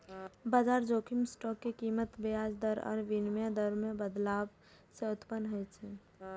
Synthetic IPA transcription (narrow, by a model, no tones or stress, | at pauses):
bad͡ʒaɾd͡ʒokʰimsʈɔkːekimət̪bead͡ʒd̪əɾɔ̰ːɾʋinmjad̪əɾmebəd̪lab | seʊt̪pənɦojt͡ʃʰɛ